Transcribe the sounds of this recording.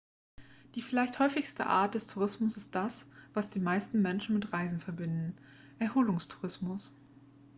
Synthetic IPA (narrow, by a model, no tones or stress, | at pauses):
d̥iːfɪlaɪçthɔʏfɪçstə̰ʔa̰ːɐt̚d̥ɛstʰuʁ̞ɪsmʊsɪst̚d̥asv̥asd̥iːmaɪstn̩mɛnʃn̩mɪtʁaɪzn̩fɛɐbɪndn̩ | ʔɛɐhoːlʊŋstʰu̥ʁɪsmʊs